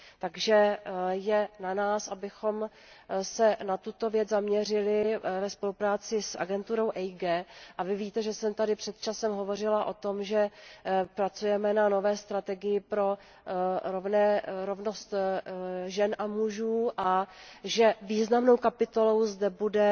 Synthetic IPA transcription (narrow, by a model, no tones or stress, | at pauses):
t̪aɡʒɛjɛnanaːsʔabɪxo̞m | sɛnat̪ut̪o̞vjɛd͡zzamɲɛr̝ɪlɪvɛspo̞lupɾaːt͡sɪsʔa̰ɡɛnt̪uɾo̞wʔɛjɡɛːʔavɪviːt̪ɛʒɛsɛmt̪adɪpr̝̥ɛt̪t͡ʃasɛmɦo̞vo̞r̝ɪlaʔo̞t̪o̞mʒɛpɾat͡sujɛmɛnano̞vɛːst̪ɾat̪ɛɡɪjɪpɾo̞ | ɾovnɛɾovnost̪ | ʒɛnʔamuʒuːʔaʒɛviːznamno̞wkapɪt̪o̞lo̞wzdɛbudɛ